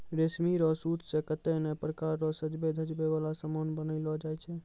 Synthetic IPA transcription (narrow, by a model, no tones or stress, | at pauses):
ɾesmiɾɔsut̪ʰsekət̪ɛnɛpɾəkaɾːɔsəd͡ʒbed̪ʱəd͡ʒbeʋalasəmonbənəɪlɔd͡ʒajt͡ʃʰɛ